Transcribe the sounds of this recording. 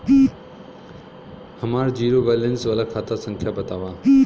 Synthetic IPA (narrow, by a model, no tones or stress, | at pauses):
hɐmaːɾd͡ʑiːɾoʋɛːlənsʋaːlakʰaːt̪asə̃ŋkʰjabət̪aːʋãː